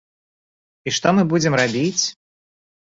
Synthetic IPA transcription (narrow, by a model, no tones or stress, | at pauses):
iʂt̪ɔmɨbud͡zʲɪmrabʲit͡sʲ